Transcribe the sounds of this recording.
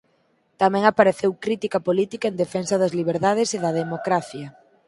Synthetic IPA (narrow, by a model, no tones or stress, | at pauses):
t̪amɛ̃ŋapaɾeθewkɾit̪ikɐpolit̪ikɐend̪efɛnsɐðɐzliβ̞eɾðað̞eseðɐðemokɾaθjɐ